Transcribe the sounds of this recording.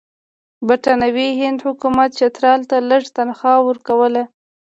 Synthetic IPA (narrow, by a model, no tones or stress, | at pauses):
bɪʈɑnawiɦɪnd̪hʊkumat̪̚t͡ʃat̪ɾɑlt̪aləʐt̪anxɑwəɾkawəla